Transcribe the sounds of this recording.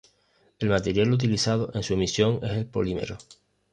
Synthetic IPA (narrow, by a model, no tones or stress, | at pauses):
e̞lmat̪e̞ɾjalut̪̬iliθað̞oʔe̞nsue̞misjo̞ŋe̞se̞lpo̞̰lime̞̰ɾo